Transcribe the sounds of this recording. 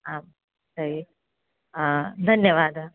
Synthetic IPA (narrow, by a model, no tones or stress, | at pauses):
aːm | sɐɦi | d̪ʱɐnjɐʋaːd̪